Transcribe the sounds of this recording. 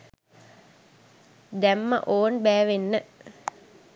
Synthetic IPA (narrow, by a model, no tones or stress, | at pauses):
d̪ɛmːə̰ʔoːnbæːʋenːə